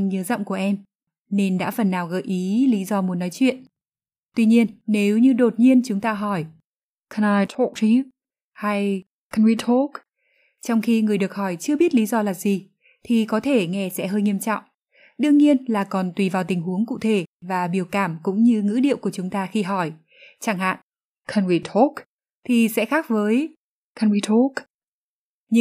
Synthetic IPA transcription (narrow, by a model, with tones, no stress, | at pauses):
ɲəː˨˦zɔ̰˧˨ŋ͡mku˧˩əʔɛ˧m | ne˧nɗa̰ː˧˥fə˨˩nːaː˨˩wɣə̰ː˧˩jʔi˨˦li˨˦zɔ˧mu˨˦nːɔ˨˦jt͡ɕwḭ˧˨ən | t̪wi˧ɲi˧ənːe˨˦wɲɨ˧ɗo˨˩t̚ɲi˧ənt͡ɕʊ˨˦ŋ͡mt̪aː˧ɦɔ˧˩j | kʰna˧jtʰo˦˥k̚ti˧˦ | ha˧j | kʰə˧nwi˧t̪ʰo˦˥k | t͡ɕɔ˧wŋ͡mxi˧ŋɨ˨˩əjɗɨ˨˩ək̚hɔ˧˩jt͡ɕɨ˧əɓi˦˥ət̚li˨˦zɔ˧laː˨˩zi˨˩ | t̪ʰi˨˩kɔ˨˦t̪ʰe˧˩ŋɛ˧sɛ̰˧˥ɦəː˧jɲi˧əmt͡ɕɔ̰˧˨wŋ͡m | ɗɨ˧əŋɲi˧ənlaː˨˩kɔ˨˩nt̪wi˨˩vaː˨˩wt̪ï˨˩ŋɦu˨˦əŋkṵ˧˨t̪ʰe˧˩vaː˨˩ɓi˧˩əwkaː˧˩mkʊ̰˧˥ŋ͡mɲɨ˧ŋɨ̰˧˥ɗḭ˧˨əwku˧˩ət͡ɕʊ˨˦ŋ͡mt̪aː˧xi˧ɦɔ˧˩j | t͡ɕaː˧˩ŋɦa̰ː˧˨n | kʰə˧nwi˧t̪ʰo˦˥k̚ | t̪ʰi˨˩sɛ̰˧˥xaː˦˥k̚vəː˨˦j | kʰə˧nwi˧t̪ʰo˦˥k | ɲɨ˧˥